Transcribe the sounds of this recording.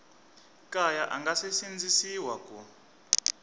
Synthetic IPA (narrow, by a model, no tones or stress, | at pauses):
kʼajaʔa̰ŋɡasesind͡zisiwaku